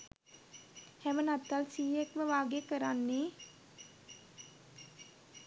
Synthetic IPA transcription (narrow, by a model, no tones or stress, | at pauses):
hæmənat̪ːalsiːekməʋaːɡekəɾanːe